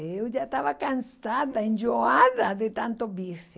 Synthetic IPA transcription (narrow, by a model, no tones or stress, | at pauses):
ewʒat̪aβakansaðaẽnd͡ʒoaðaðet̪ant̪oβiso